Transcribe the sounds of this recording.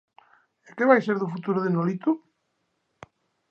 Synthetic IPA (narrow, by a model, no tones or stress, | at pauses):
ekeβajseɾðufut̪uɾʊðenolit̪u